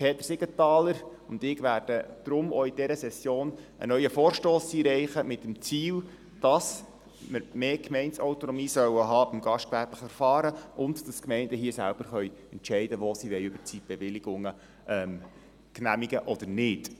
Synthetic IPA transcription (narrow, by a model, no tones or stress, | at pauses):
pʰeːt̪əɾsɪɡətɑːləɾ | ʊnd̪ɪɡʋæːɾd̥əd̪̥ɾʊmɔid̥ɛɾəsɛsjoːnʔə̰nœʏəfoːɾʃtoːsiːɾɛɪχəmɪtːəmt͡siːl | d̥ɑs | məɾmeːkmɛɪntsaʊtonɔmiːsœwəɦɑːb̥ɪmɡ̥ɑʃtkʋæɾpləχfɛɾfɑːɾəʔʊndd̥ɑskmɛɪndəɦiːəsæ̰lb̥əɾχœʏɛntt͡ʃɛɪdəʋosiʋɛɪʏb̥əɾt͡sib̥eʋɪliɡ̥ʊŋə | ʔɛm | knæmiɡəʔɔd̥əɾnɪd̥